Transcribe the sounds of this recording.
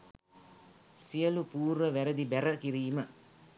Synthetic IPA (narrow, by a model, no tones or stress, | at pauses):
sijəlupuːɾʋəʋæɾəd̪ibæɾəkiɾiːmə